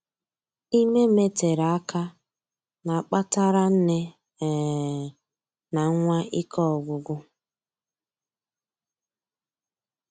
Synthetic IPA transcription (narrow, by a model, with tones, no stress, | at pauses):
i˦me˦me˦te˨ɾa˨a˦ka˦ | na˨k͡pa˦ta˦ɾa˦n̩˦ne˦˨ | na˨ŋ˦ŋʷa˦ʔi˦kɔ˦ɔ˨ɡʷʊ˨ɡʷʊ˦